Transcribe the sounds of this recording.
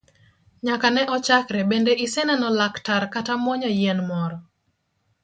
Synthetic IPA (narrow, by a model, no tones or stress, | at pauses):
ɲakanɛʔɔt͡ʃakɾɛbendeʔisɛnɛnɔlaktaɾkatamɔɲɔjɛnmɔɾɔ